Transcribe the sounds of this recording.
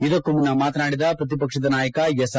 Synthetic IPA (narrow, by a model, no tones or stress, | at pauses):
id̪ɐkːuminːɐmaːt̪ɐnaːɽid̪ɐpɾɐt̪ipɐkʂɐd̪ɐnaːjɐkɐjesɐ